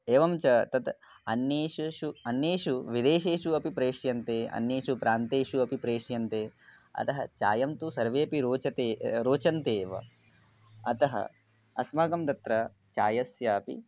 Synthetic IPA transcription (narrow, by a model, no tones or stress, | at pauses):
eːʋɐmt͡ʃɐt̪ɐt̪ | ɐnjeːʃuʃuɐnjeːʃuʋid̪eːʃeːʃuɐpipɾeːʂjɐnt̪eːɐ̰njeːʃupɾʔaːnt̪eːʃuɐpipɾeːʂjɐnt̪eː | ɐ̰t̪ɐɦɐ̰t͡ʃa̰ːjɐmt̪usɐɾʋeːpiɾoːt͡ʃɐt̪eːɾoːt͡ʃɐnt̪eːʋɐ̰ | ɐt̪ɐɦɐ̰ | ɐsmɐːɡɐmt̪ɐt̪ɾɐ | t͡ʃaːjɐsjaːpḭ